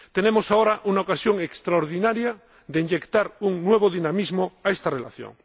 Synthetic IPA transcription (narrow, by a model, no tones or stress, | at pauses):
t̪enemosaoɾaʔunaokasjoŋekst̪ɾaoɾðinaɾja | ðeiɲʎekt̪aɾuŋnweβ̞oðinamizmoaest̪arelaθjo̰ŋ